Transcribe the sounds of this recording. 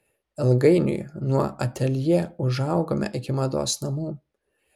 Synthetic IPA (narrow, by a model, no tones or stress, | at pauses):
ɪlˠɡɐɪnʲʊ̰jnuɔɐt̪ʲɛlʲjɛʊʒɐʊɡoːmʲɛ̰ʔɪkʲɪmɐd̪o̰ːsnɐmuː